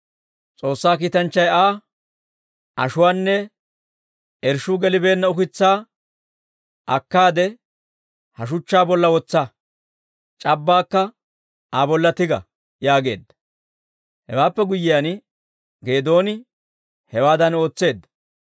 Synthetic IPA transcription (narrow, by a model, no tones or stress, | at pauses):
t͡sʼo̞ːsːaːkiːt̪ɐnt͡ʃːɐjaː | ʔɐ̰ʃʊwaːnːɛ | ʔɛɾʃʊɡɛlɪbe̞ːnːɐʊkɪt͡sːaː | ʔɐkːaːd̪ɛ | hɐʃ̬ʊt͡ʃːaːbɔlːɐwɔt͡sːɐ | t͡ʃʼɐbːaːkːɐ | aːbɔlːɐt̪ɪɡɐ̰ | jaːɡe̞̰ːd̪ːɐ̥ | hɛ̰waːpːɛɡʊjːɪjan | ɡe̞ːd̪o̞ːnɪ | hɛwaːd̪ɐno̞ːt͡sːe̞ːd̪ːɐ̥